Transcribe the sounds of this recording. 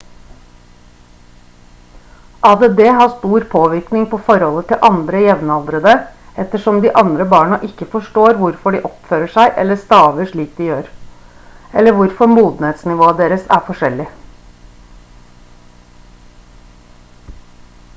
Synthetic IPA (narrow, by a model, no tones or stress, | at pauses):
ʔɑːd̪eːd̪eːɦɑːst̪uːɾpʰoːʋɪɾknɪŋpʰoːfɔɾhɔlət̪ʰɪlʔɑnd̪ɾəjɛʋnɑld̪ɾəd̪əɛt̪əʂɔmd̪iːʔɑnd̪ɾəbɑːɳɑʔɪkːəfɔʂʈoːɾʋʊɾfɔɖiːʔɔpføːɾəʂæɪʔɛ̰lːəst̪ɑːʋəʂɭiːk̚d̪ɪjøːɾ | ɛlːəʋʊɾfɔɾmuːd̪n̩eːt̪snɪʋoːəd̪eːɾəsæ̰ːɾfɔʂɛlɪ